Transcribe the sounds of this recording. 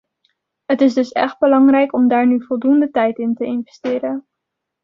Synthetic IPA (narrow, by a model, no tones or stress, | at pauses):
ɦətɪzdɵsɛ̰χd̚bəlɑŋrɛjkɔmdaːɹnyvɔlˠdundətɛjtɪntəɪnvɛstɪːɾən